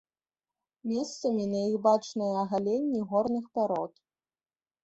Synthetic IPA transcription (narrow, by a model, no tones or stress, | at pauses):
mʲɛst̪sɐmʲinɐjixbat͡ʂnɨjɐɐɣalʲenʲːiɣɔrnɨxpaɾɔt̪